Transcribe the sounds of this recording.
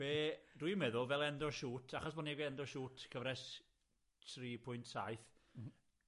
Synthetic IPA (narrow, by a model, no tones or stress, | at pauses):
b̥erujmɛðʊlˠvɛlˠɛndɔʃuːtʰaχɔsbɔniɡwɛɛndɔʃuːtʰkʰəvɾɛs | tʰriːpʰʊɨntʰsajθ